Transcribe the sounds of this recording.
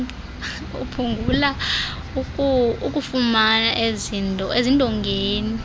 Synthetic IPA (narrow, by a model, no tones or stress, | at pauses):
ṵpʰuŋɡʱula | ukʼuukʼufumanaʔezintʼɔezintʼɔŋɡʱeːni